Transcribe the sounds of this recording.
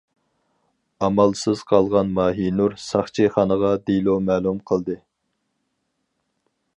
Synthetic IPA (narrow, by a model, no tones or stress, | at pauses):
ɑmɑlˠsɨz̥qʰɑlˠʁɑnmɑːɦinuɾsɑχt͡ʃʰiχɑnəʁɑd̪ilˠomɛːlˠumqʰəlˠd̪ɨ